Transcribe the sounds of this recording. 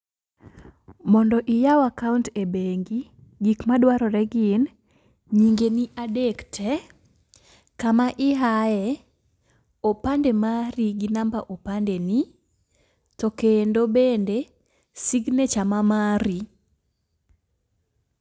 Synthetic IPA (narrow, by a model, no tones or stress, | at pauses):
mɔndɔʔijawakawntebeŋɡi | ɡikmadwaɾɔɾɛɡɪn | ɲiŋɡeniʔadektʰɛ | kamaʔɪɦajɛ | opandemaɾiɡinambaʔopandeni | tɔkendobende | siɡnet͡ʃamamaɾi